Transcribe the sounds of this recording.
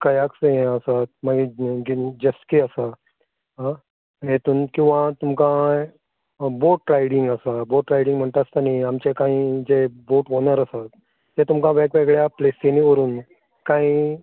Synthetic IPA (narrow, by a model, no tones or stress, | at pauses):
kəjakseɦẽəsat̪̚məɡeɡid͡ʑəskiəsa | ɦã | ɦet̪uːnkĩw̃ʋat̪umkã | boʈɾajɽiŋɡəsaboʈɾajɽiŋɡm̤əɳt̪ast̪aniamt͡ɕekãĩːd͡zeboʈɦonəɾəsat̪̚ː | et̪umkãʋekʋeɡɭjapleseniʋəɾuːn | kãĩː